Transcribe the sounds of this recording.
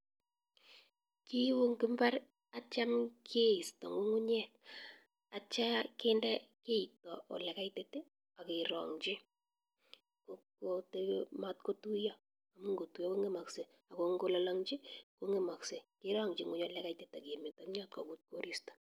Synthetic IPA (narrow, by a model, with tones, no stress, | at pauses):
ki˦wʊ˦ŋkɪ˦mba˦r | a˦t͡ʃa˦mkʰe˦i˨stɔ˨ŋu˦ŋʊ˦ɲɛ˦k | a˨t͡ʃa˦ke˦ndɛ˦ke˦i˨tɔ˨ʔɔ̰˨lɛ˨ka˦ite˦te˦ | a˨ke˨ɾɔ̰˨ŋt͡ʃɪ˦ | ko˦kotema˦t̚ko˦tu˦ja˦ | a˨mu˦ŋɡo˨tu˨jɔ˦ko˦ŋe˦ma˨kse˨ | a˨ko˦ŋɡo˦lɔ˦la˦ŋt͡ʃi˦ko˦ŋe˨ma˨kse˨ke˦ɾɔ˦ŋd͡ʒɪ˨ŋʊ˨˦ɲɔ˨lɛ˦ka˦ite˨ta˨ke˨me˨ta˨m˦ɲɔ˦tkɔ˨ku˦t̚ko˦ɾʔi˦stɔ̥˨